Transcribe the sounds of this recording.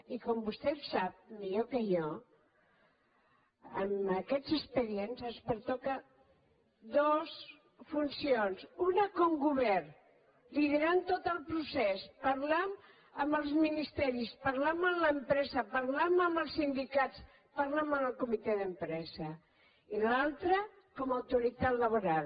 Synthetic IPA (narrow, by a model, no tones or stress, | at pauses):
ikɔmbust̪ɛsap̚miʎokəjɔ | əməkɛzəspəɾienzənspəɾt̪ɔkə | d̪os | funsionzunəkɔŋɡuβɛr | liðəɾant̪ot̪əlˠpɾusɛspəɾlam | əməlˠzminist̪ɛɾispəɾlaməmləmpɾɛzəpəɾlaməməlˠsind̪ikat͡s | pəɾlamənəlˠkumit̪eðəmpɾɛzə | ilalˠt̪ɾə | kɔməwt̪uɾit̪at̪ləβ̞uɾalˠ